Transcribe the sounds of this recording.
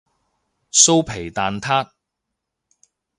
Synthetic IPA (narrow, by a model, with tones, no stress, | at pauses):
so˥wpʰe˨˩jt̪aː˨nt̪ʰaː˥t̚